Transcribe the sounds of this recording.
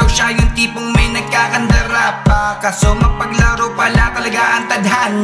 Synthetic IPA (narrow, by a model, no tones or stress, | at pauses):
ɐwʃajʊnt̪iːpoŋmɐjnɐɡ̚kaːkɐnd̪ɐɾapakɐsomɐɡ̚pɐɡlaɾowpɐlat̪ɐlɐɡaʔɐnt̪ɐd̪ɦan